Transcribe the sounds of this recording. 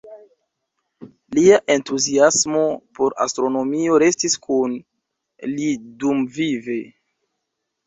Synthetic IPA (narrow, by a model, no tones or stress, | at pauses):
liaʔe̞ntuziasmo̞po̞ɾa̰stɾo̞no̞mio̞ɾe̞stiskun | lidumvive̞